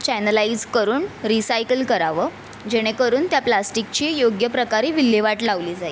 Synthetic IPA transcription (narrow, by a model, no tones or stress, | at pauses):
t͡ɕɛnəlaid͡zkəɾuːnɾisajkəlkəɾaʋəː | d͡ʑeɽ̃ekəɾuːnt̪japlasʈik̚t͡ɕiːjoɡjəpɾəkaɾiːʋilːjeʋaʈlaʋliːd͡zai